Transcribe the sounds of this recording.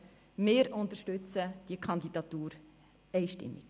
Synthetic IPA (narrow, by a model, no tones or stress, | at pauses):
meːɾʊnt̪əɾʃtʉt͡səd̥iəkʰɑnd̪idɑt̪uːɾ | ɛjʃtɪ̰mːḭk